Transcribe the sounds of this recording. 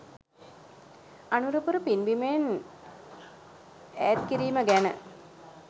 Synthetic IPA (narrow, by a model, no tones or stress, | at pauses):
anuɾupuɾəpinbimen | æːt̪̚kiɾiːməɡænə̰